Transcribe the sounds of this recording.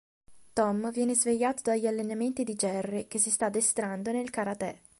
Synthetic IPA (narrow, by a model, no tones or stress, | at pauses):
t̪ɔmvjɛːnezveʎːaːt̪od̪aʎːialːenament̪id̪id͡ʒɛrːik̟esist̪ad̪ːest̪ɾand̪onelkaɾat̪ɛ